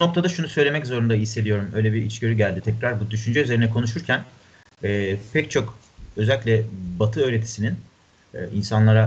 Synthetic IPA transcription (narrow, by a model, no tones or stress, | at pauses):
no̞k̚t̪ʰad̪aʃunusø̞jlʲe̞mɛczo̞ɾund̪aɦisːe̞d̪ijo̞ɾumø̞jlʲebiɾit͡ʃɟø̞ɾyɟælʲd̪it̪ʰɛcɾaɾbud̪yʃynd͡ʒɛyzeɾinɛkʰo̞nuʃ̬uɾcʰæn | ɛːpʰɛct͡ʃʰo̞k | ø̞zælʲiclʲɛbat̪ʰɯøjɾe̞t̪ʰi̥sininː | insanlˠaɾa